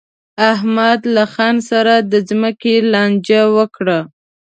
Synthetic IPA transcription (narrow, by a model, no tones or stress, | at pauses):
ahmad̪laxɑnsaɾad̪əzməkelɑnd͡ʒawəkɽa